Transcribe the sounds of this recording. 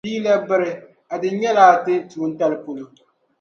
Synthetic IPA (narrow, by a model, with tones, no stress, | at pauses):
iː˦la˦bɪ˦ɾɪ˨ | a˨dɪ˨ɲɛ˦laː˦tɪ˦tu˨˦n̩˦ta˦lɨ˦po˦lo˨